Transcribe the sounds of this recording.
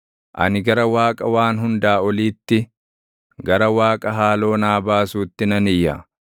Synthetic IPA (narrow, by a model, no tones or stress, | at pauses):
ʔɐ̰nɪɡɐɾɐwaːkʼɐwaːnɦʊnd̪aːɔliːt̪ːɪ | ɡɐɾɐwaːkʼɐɦaːlo̞ːnaːbaːsuːt̪ːɪnɐnɪjːa̰